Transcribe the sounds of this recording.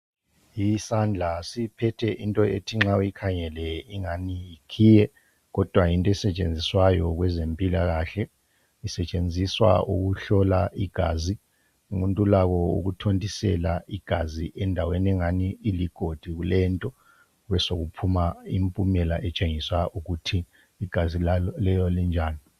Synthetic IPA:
jisand͡ɮʱasipʰɛtʰɛʔintʼɔetʰiŋ͡ǁaujikʰaŋɛlɛiŋanijikʰiːjɛ | ɣɔd̥ʱwajintʼɔɛsɛt͡ʃʼend͡zʱiswajɔɣwɛzempʼilaɣaɬɛ | isɛt͡ʃʼend͡zʱiswa̰ʔuɣuɬɔlaʔiɡ̥ʱaːzi | umuntʼulaɣɔṵɣutʰontʼisɛ̰laiɡ̥ʱaziʔɛndʱawenɛŋaniːliɡ̥ʱod̥ʱiɣulɛntʼɔ | ɣwɛsoɣupʰumaimpʼumɛlaʔɛt͡ʃʼeŋiswaʔuɣutʰiː | ɡ̥ʱazillɛjɔlind͡ʒʱaːni

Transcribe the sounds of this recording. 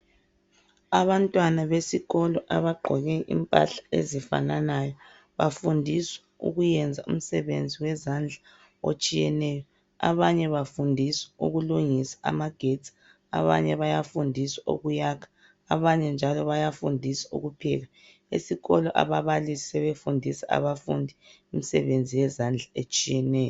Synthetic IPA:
aβantʼwanaβesiɣɔlɔʔaβaɡ͡ǃʱɔɣɛʔḭmpʼa̰ɬḁḛzifa̰nanajɔ | βafundʱisḁ | ṵɣujɛnd͡zʱaṵm̩sɛβḛnd͡zʱiwɛzand͡ɮʱa | o̰t͡ʃʼijɛnɛjɔ | a̰βaɲɛβafundʱisḁṵɣuluŋisḁʔa̰maɡ̥ʱetʰʼi̥ | a̰βaɲɛβajafundʱiswao̰ɣujaːkʰḁ | a̰βaɲɛnd͡ʒʱalɔβajafundʱisaṵɣupʰɛ̰ɣa | esiɣɔlɔʔa̰βaβalisi̥sɛβefundʱisaa̰βafṵndʱi | imisɛβend͡zʱijɛzand͡ɮʱaet͡ʃʼijɛnɛːjɔ

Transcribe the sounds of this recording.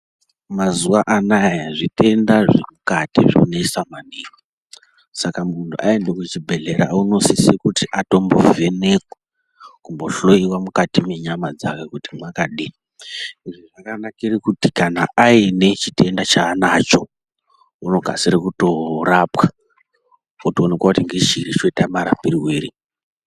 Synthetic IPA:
mazuʋaʔanajjaʐite̞ndaʐemukatiʐḭuneisamaniːko | sakamuntʰuʔae̞ndeket͡ʃibʱe̞ɮe̞ɾa̰uno̞sisikutiʔato̞mbo̞̰ve̞ne̞kwa | kumbo̞ɬo̞iwamukatime̞ɲamad͡za̰kekutimwakaɗi | iʐoʐakanakirikutikanaʔaine̞t͡ʃitʰe̞ndat͡ʃaːnat͡ʃo̞ | uno̞ɡʱa̰siɾekuto̞rapka | otoːnekwakutiŋɡeʒiɾit͡ʃoitamaɾapiriweːɾi

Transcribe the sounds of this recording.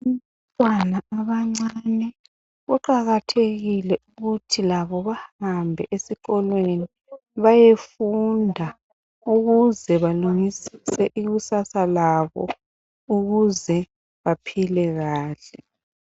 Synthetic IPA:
um | tʼwanaaβaŋ͡ǀanɛ | ɣuǃaɣatʰeɣilɛʔuɣutʰilaβɔβahambʱɛʔesiɣɔlweni | βajefundʱa | uɣuzɛβaluŋisi̥sɛʔiɣusasalaβɔ̰ | uɣuzɛ | βapʰilɛɣaːɬɛ

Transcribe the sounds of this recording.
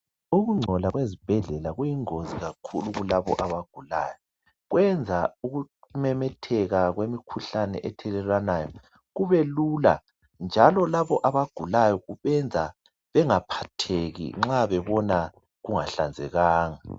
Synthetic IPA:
uɣuŋ͡ǀʱɔlaɣwezib̥ʱɛɮɛlaɣujiŋoziɣakʰṵluɣulaβɔ̰ʔaβaɡ̥ʱula̰ːjɔ | ɣwɛnd͡zʱauɣumɛmɛtʰɛɣaɣwemikʰuɬanɛ̰ʔɛtʰɛlɛlanaːjɔ | ɣuβɛlula̰ | nd͡ʒʱalɔlaβɔʔaβaɡ̥ʱulajɔɣuβɛnd͡zʱa | βɛŋapʰatʰeɣḭŋ͡ǁaβɛβɔna | ɣuŋa̰ɬand͡zʱɛɣaːŋa

